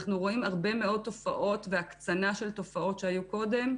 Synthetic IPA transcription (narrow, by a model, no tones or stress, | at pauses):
χnuʁo̞imaʁbe̞me̞o̞t̪ːo̞faʔo̞tveakt͡sanaʃe̞lto̞fao̞tʃe̞ajuko̞de̞m